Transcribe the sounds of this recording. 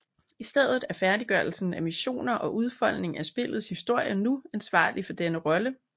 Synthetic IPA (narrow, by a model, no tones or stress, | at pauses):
isd̥eð̰ˠð̩ˠæɐfæɐdiɡ̥ɶɐl̩sn̩æmiɕo̝̰ːnɐʔɒ̽ʔuð̞ˠfɒ̽l̰ne̝ŋæsb̥e̝lð̞̩ˠshisd̥o̝ɐ̰jənuænsʋɑ̰̈ːlifɒ̽d̥enəʁɒ̽lə